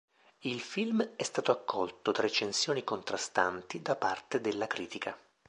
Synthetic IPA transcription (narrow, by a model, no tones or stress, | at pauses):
ilfilmɛst̪aːt̪oakːɔlt̪ot̪ɾet͡ʃːensjoːnikont̪ɾast̪ant̪id̪apart̪ed̪elːakɾiːt̪ikʰa